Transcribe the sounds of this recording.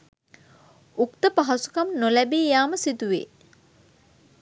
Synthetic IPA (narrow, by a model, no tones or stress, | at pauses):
ukt̪əpaɦɐsu̥kɐmnolæbiːjaːməsit̪uʋḛː